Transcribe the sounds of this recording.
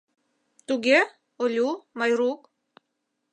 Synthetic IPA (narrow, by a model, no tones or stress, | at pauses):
t̪uɡʲe | olʲumajɾuk